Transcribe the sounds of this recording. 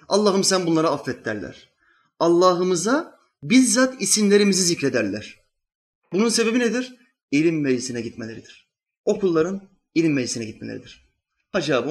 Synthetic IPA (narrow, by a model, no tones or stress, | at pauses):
ɑlˠːaːɦɯmsænbunlˠaɾaafːɛt̪ʰːæɾlʲæ̰ɾ̥ | alˠːaːɦɯmɯza | bizːat̪isinlʲe̞ɾimizizicɾe̞d̪æɾlʲæɾ̥ | bununse̞be̞bined̪iɾ̥ | ilʲimːelisinɛɟit̪melʲeɾid̪iɾ̥ | o̞kulˠːaɾɯn | ilʲimːelisinɛɟit̪melʲeɾḭd̪iɾ̥ | had͡ʒaːb